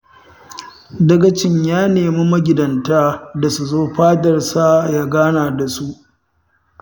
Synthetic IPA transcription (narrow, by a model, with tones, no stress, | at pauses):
dɐ˦ɡɐ˨t͡ʃɪ˦ɲjaː˦neː˨mi˦mɐ˦ɡʲɪ˨dɐ˨ntaː˦da˨su˨zoː˦ɸaː˦dɐ˨rsa˦˨jaː˦ɡaː˦naː˨da˨su˦ʔ